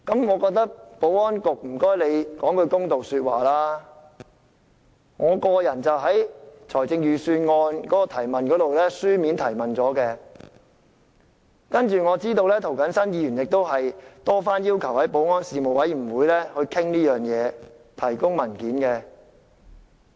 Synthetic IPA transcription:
kɐ˨˥mŋɔː˨˧kɔː˧k̚t̪ɐ˥k̚po˨˥wŋɔː˥nkʊ˨k̚m̩˨˩kɔː˥jle˨˧jkɔː˨˥ŋkɵ˨˧ɥkʊ˥ŋt̪o˨wsyː˧t̚wa̰ː˨laː˥ | ŋɔː˨˧kɔː˧jɐ˨˩nt͡sɐ˨wɦɐ˨˥jt͡ʃʰɔː˨˩jt͡sɪ˧ŋjyː˨syː˧nŋɔː˧nkɔː˨˥kɔː˧t̪ʰɐ˨˩jmɐ˨nkɔː˨˥t̪o˨wlɛː˥syː˥miː˨˥nt̪ʰɐ˨˩jmɐ˨nt͡sɔː˨˥kɛː˧ | kɐ˥nt͡ʃyː˨ŋɔː˨˧t͡siː˥t̪o˧wlɛː˥t̪ʰo˨˩wkɐ˨˥nsɐ˥njiː˨˧jyː˨˩njɪ˨k̚t̪o˥wɦɐ˨jt̪ɔː˥faː˥njiː˥wkʰɐ˨˩whɐ˨˥jpo˨˥wŋɔː˥nsiː˨mo˨wɐ˨˥jm̩˨˩wuː˨˧jlɛː˥hɵ˧ɥkʰɪ˥ŋliː˥jœː˨˩ŋjɛː˨˧ | t̪ʰɐ˨˩jkʊ˥ŋmɐ˨˩nkiː˨˥nkɛ˧

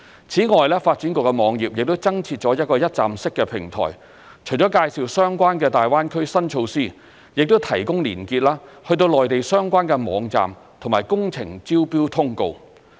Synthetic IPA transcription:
t͡sʰiː˨˥ŋɔː˨jlɛː˥faː˧t̚t͡ʃyː˨˥nkʊ˨˩kɛ˧mɔː˨˧ŋjiː˨p̚jɪ˨k̚t̪wt͡sɐ˥ŋt͡sʰiː˧t̚t͡ʃɔː˨˥jɐ˥t̚kɔː˧jɐ˥t̚t͡sa̰ː˨msɪ˥kːɛ˧pʰɪ˨˩ŋt̪ʰɔ̰ː˨˩j | t͡ʃʰɵ˨˩jt͡ʃɔː˨˥kaː˧jsi˨wsœː˥ŋkʷaː˥nkɛ˧t̪aː˨jwaː˥nkʰɵ˥ɥsɐ˥nt͡ʃʰo˧wsiː˥ | jɪ˨k̚t̪wt̪ʰɐ˨˩jkʊ˥ŋliː˨˩nkiː˧t̚laː˥hɵ˧ɥt̪̬o˧wlɔː˨jt̪e˨jsœː˥ŋkʷaː˥nkɛ˧mɔː˨˧˥ŋt͡sa̰ː˨m | t̪ʰʊ˨˩maː˨˩jkʊ˥ŋt͡sʰɪ˨˩ŋt͡siː˥wpiː˥wt̪ʰʊ˥ŋko˧w

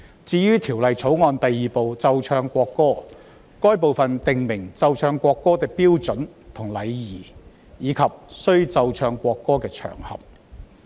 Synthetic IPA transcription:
t͡siː˧ɥyː˥t̪ʰiː˨˩wlɐ˨jt͡sʰo˨˥wŋɔː˧nt̪ɐ˨jːiː˨po˨˧wt͡sɐ˧wt͡ʃʰœː˧ŋkʷɔː˧kːɔː˥ | kɔː˥jp̬o˨wfɐ˨nt̪ɪ˨ŋmɪ˨˩ŋt͡sɐ˧wt͡ʃʰœː˧ŋkʷɔː˧kːɔː˥t̪ɪ˧k̚piː˥wt͡sɵ˨˥nt̪ʰʊ˨˩ŋlɐ˨˧jjiː˨˩ | jiː˨˧kʰɐ˨p̚sɵ˥ɥt͡sɐ˧wt͡ʃʰœː˧ŋkʷɔː˧kːɔː˥kɛː˧t͡ʃʰœ̰ː˨˩ŋhɐ̰˨p̚

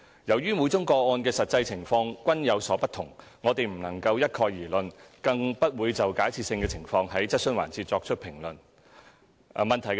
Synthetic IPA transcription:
jɐ˨˩wɥyː˥mu˨˧jt͡sʊ˥ŋkɔː˧ɔː˧nkɛː˧sɐ˨t̚t͡sɐ˧jt͡sʰɪ˨˩ŋfɔː˧ŋkʷɐ˥njɐ˨˧wsɔː˨˥pɐ˥t̪ʰʊ˨˩ŋŋɔː˨˧t̪e˨jm̩˨˩nɐ˨˩ŋkɐ˧wjɐ˥t̚kʰɔː˧jjiː˨˩lɵ˨nkɐ˧ŋpɐ˥t̚wuː˨˧jt͡sɐ˨wkaː˨˥jt͡sʰiː˨t̚sɪ˧ŋkɛː˧t͡sʰɪ˨˩ŋfɔː˧ŋɦɐ˨˥jt͡sɐ˥t̚sɵ˥nwa̰ː˨˩nt͡sʰiː˧t̚t͡sɔː˧k̚t͡ʃʰɵ˥t̚pʰɪ˨˩ŋlɵ˨˩n˨ | mɐ˨nt̪ʰɐ˨˩jk

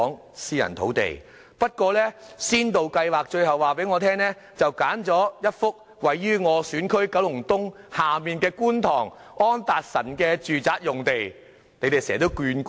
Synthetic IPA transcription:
ɔː˨˥ŋ | siː˥jɐ̰˨˩nt̪ʰo˨˥wt̪ḛ˨˩j | pɐ˥t̚kʷɔː˧lɛː˥siː˥nt̪o˨wkɐ˧jwaː˨k̚t͡ʃɵ˧ɥɦɐ˨waː˨˩pe˨˥jŋɔː˨˧t̪ʰɛː˥ŋlɛː˥ | t͡sɐ˨wkaː˨˥nt͡sɔː˨˥jɐ˥t̚fʊ˥k̚ | wɐ˨jːyː˥ŋɔː˨˧syː˨˥nkʰɵ˥ɥkɐ˨˥wlʊ˨˩ŋt̪ʊ˥ŋ | haː˨˩miː˨nkɛː˧kuː˥nt̪ʰɔː˨˩ŋ | ɔː˥nt̪aː˨k̚sɐ̰˨˩nkɛː˧t͡ʃyː˨t͡saː˨˥t̚jʊ˨ŋt̪e˨j | ne˨˧jt̪e˨jsɛː˨˩t̪o˥wkyː˧nk

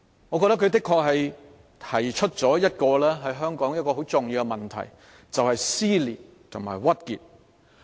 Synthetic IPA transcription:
ŋɔː˨˧kɔː˧k̚t̪ɐ˥kʰt̪̬ɪ˥kʰːɔː˧k̚hɐ˨j | t̪ʰɐ˨˩jt͡ʃʰɵ˥t̚t͡sɔː˨˥jɐ˥t̚kɔː˧lɛː˥ɦɐ˨jɦœː˥ŋkɔː˨˥ŋjɐ˥t̚kɔː˧ɦo˨˥wt͡sʊ˨ŋjiː˧wkɛ˧mɐ˨˩nt̪ʰɐ̰˨˩j | t͡sɐ˨whɐ˨jsiː˥liː˨˩t̚ | t̪ʰʊ̰˨˩ŋma̰ː˨˩jwɐ˥t̚kiː˨t̚

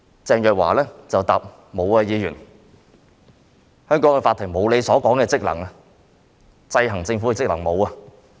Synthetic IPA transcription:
t͡sɛː˧ŋjœː˨k̚wa̰ː˨˩lɛː˥t͡sɐ˨wt̪aː˨p̚ | mo˨˧wa˧jiː˨˧jyː˨˩n | hœː˥ŋkɔː˨˥ŋkɛ˧faː˧t̪ʰːɪ˨˩mo˨˧wle˨˧jsɔː˨˥kɔː˨˥ŋkɛː˧t͡sɪ˥k̚lɐ̰˨˩ŋɐ˧ | t͡sɐ˧jɦɐ˨˩ŋt͡sɪ˧ŋfu˨˥ɛ˧t͡sɪ˥k̚lɐ˨˩ŋmo˨˧wɐ˧

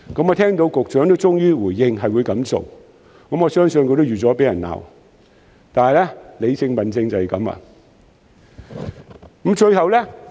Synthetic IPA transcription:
kɐ˨˥mɔː˨˧t̪ʰɛː˥ŋt̪o˧wkʊ˨k̚t͡ʃœː˨˥ŋt̪o˥wt͡sʊ˥ŋjyː˥wuː˨˩jɪ˧ŋɦɐ˨jwuː˨˧jkɐ˨˥mso̰˨w | kɐ˨˥mŋɔ˨˧sœː˥ŋsɵ˧nkʰɵ˧t̪o˥wɥyː˨t͡sɔː˨˥pe˨˥jɐ˨˩na̰ː˨w | t̪aː˨nhɐ˨˩jlɛ˥le˨˧jsɪ˧ŋpɐ˨nt͡sɪ˧ŋt͡sɐ˨hɛ˨˩kɐ˨˥mɐ̰˧˨ | kə˨˥mt͡ʃɵ˧ɥhɐ˨wlɛː˥

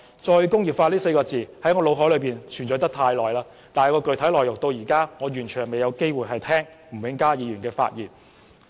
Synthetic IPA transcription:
t͡ʃɔː˧jkʊ˥ŋjiː˨˩p̚faː˧liː˥se˧jkɔː˧t͡siː˨hɐ˨˥jŋɔː˨˧lo˨˧wɦɔː˨˥lɵ˨˧piː˨˩nt͡ʃʰyː˨˩nt͡sɔː˨˥jt̪ɐ˥t̪ʰaː˧jlɔː˨jlaː˥ | t̪aː˨jkɔː˧kɵ˨ɥt̪ʰɐ˨˥jlɔː˨jʊ˨k̚t̪o˧wjiː˨˩kaː˥ŋɔː˨˧jyː˨˩nt͡ʃʰyː˨˩ŋme˨jɐ˨˧wke˥jwuː˨jɦɐ˨jt̪ʰɛː˥ŋm̩˨˩wɪ˨˥ŋkaː˥jiː˨˧jyː˨˩nkɛː˧fa̰ː˧t̚jiː˨˩n

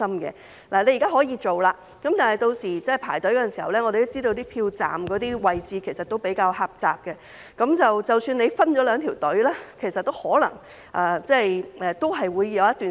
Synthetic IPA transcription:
ɐ˥mkɛ̰˧ | laː˨˩le˨˧jkaː˥ɦɔː˨˥jiː˧t͡ʃo˨wlaː˧ | kɐ˨˥mt̪aː˨nhɐ˨jt̪o˧wsiː˨˩t͡sɛ˥˨˩pʰaː˨˩jt̪ɵ˨˥jkɔː˧˥˨nsiː˨˩hɐ̰˨˩wlɛː˥ŋɔ˨˧ɾe˨t̪o˥t͡siː˥t̪o˧wt̪̬iː˥pʰiː˧wt͡sa̰ː˨mkɔː˨˥t̪iː˥wɐ˨jt͡siː˨˧kʰe˨˩jsɐ˨t̪o˥wpe˨˥jkaː˧whaː˧p̚t͡sa̰ː˨p̚kɛ˧ | kɐ˨˥mt͡sɐ˨wt͡sɐ˨wsyː˧nle˧jfɐ˥nt͡ʃɔː˨˥lœː˨˧ŋt̪ʰiː˨˩wt̪ɵ˨˥ɥlɛː˥kʰe˨˩jsɐ˨t̚t̪ːo˥whɔː˨˥lɐ̰˨˩ŋ | ʔaː˨˩t͡sɛː˥jʔɛː˨˧t̪o˥wɦɐ˨jwuː˨˧jːɐ˨˧wjɐ˥t̪ːyː˨˩

